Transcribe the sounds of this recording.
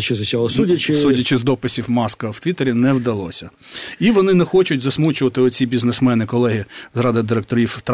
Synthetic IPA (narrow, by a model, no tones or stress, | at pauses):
t͡ʃɪzʊsʲɐɦsussutʲɐt͡ʃɪzd̪ɔpɪsʲiwmɑskɐw̥t̪ʲʋʲit̪eɾʲinɛwd̪ɐlˠɔ̰sʲɐiʋɔnɪnɛxɔt͡ʃʊtʲzɐsmut͡ʃʊʋɐt̪ɪɔt͡sʲibʲiznesmɛnɪkɔlˠɛɦʲizrɑd̪ɪd̪ɪɾek̚t̪ɔɾʲiwt̪